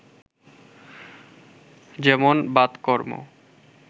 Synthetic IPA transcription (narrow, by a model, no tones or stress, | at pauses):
d͡ʑɛmonbad̪kɔɾmo̰